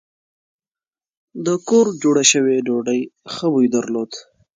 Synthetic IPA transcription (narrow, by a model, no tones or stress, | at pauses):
d̪əkoɾd͡ʒoɽaʃəweɖoɖəjxəwujd̪əɾlod̪